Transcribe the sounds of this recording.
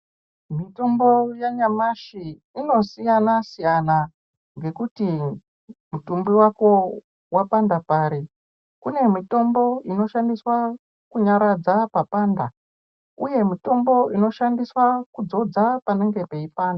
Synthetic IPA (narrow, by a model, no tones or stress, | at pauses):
mito̞mbo̞jaɲamaʃiː | no̞sijanasijana | ŋɡe̞kuti | mutumbiwako̞ | wapandapaːɾi | kune̞mito̞mbo̞ino̞ʃandiswa | kuɲaɾad͡zapapaːnda | uje̞mito̞mbo̞ʔino̞ʃandiswakud͡zo̞d͡zapaneŋɡe̞pe̞ipaːnda